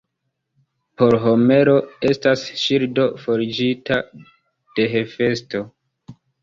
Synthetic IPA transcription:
po̞ɾɦome̞ɾo̞e̞stasʃiɾdo̞fo̞ɾid͡ʒitʰa | d̥e̞ɦefe̞sto̞

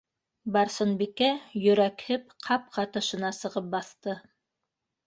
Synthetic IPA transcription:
bɑɾsɤ̆nbikæjɵ̆ɾækhɘp̚qʰɑp̚qʰɑt̪ɤ̆ʃɤ̆nɑsɤ̆ʁɤp̚bɑθt̪ɤ

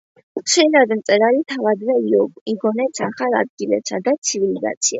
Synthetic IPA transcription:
ʃɛɾad̪mt̪ʼɛɾaɾit̪ʰavad̪vɛiiɡɔnɛt̪sʰaχala̰d̪̚ɡilɛ̰psad̪at̪sʰiviliza̰t̪sʰia

